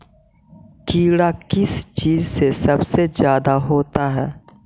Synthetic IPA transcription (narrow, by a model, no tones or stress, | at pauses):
kiːɽakɪst͡ʃiːzsesɐbsezjaːd̪aɦoːt̪aɦɛː